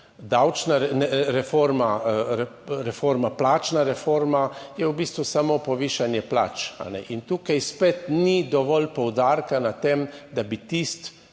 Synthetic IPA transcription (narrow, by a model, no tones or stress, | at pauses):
d̪awt͡ʃnaɾnɛɾɛfoɾmaɾɛɾɛfoɾmaplaːt͡ʃnaɾɛfoɾmajɛwbiːst̪ʋusamopɔʋiːʃanjɛpla̰t͡ʃa̰nɛ̰ʔint̪uːkajspet̪nid̪ɔʋɔlpɔwd̪aɾkanat̪emd̪abit̪ist̪